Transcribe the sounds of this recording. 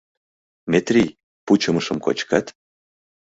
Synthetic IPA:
mʲet̪rʲij | put͡ɕə̆məʃə̆mko̰t͡ɕkat̪

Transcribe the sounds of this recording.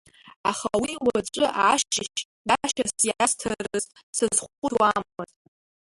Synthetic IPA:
aχawiwaʈ͡ʂʷʼɨʔaʃt͡ʃɪʃ | daʃasjaastʰɐrɨz | sɨzχʷʊqʷʼʊwammatʼ

